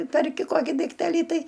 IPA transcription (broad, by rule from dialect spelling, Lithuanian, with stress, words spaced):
pʲɛrʲˈkʲɪ ˈkoːkʲɪ dɐɪkˈtʲæːlʲiː ˈtɐɪ